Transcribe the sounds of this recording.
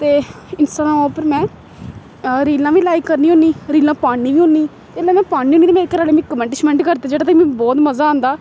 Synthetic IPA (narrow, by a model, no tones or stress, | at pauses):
t̪eː | ɪnsʈaːãɔːpəɾmɛ̃ː | ɾiːlãːʋiːlaːikːəɾniːõːniːɾiːlãːpaːɳːiːʋiːɦõːniː | t̪eːɪlãːmɛ̃ːpaːnːiːoːnit̪eːmeːɾkːəɾaːleːmĩːkəmɛ̃ɳʈɪʃmɛ̃ːɳʈkəɾt̪eːd͡ʒeːɽaːt̪əkmɛ̃ːbɔːt̪məzaːãːnd̪aː